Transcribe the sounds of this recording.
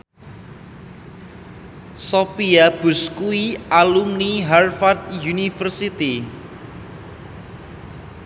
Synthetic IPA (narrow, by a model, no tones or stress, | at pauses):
sopiab̥ʊ̤skuialumniɦarfart̪̚junifərsit̪i